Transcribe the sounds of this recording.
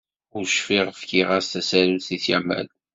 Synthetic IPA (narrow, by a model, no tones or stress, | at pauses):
ʊɾʃfiʁəfkiʁæsθæsæɾuθiθæmæ̰l